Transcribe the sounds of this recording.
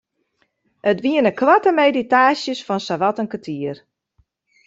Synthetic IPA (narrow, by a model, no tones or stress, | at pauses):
ətʋiənəkʋatəmejditaːsjəsfɔnsaʋatənkətʰiər